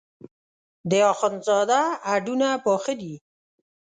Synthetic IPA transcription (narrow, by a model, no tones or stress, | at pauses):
d̪əɑxɔnzɑd̪aːɖunapɔxəd̪i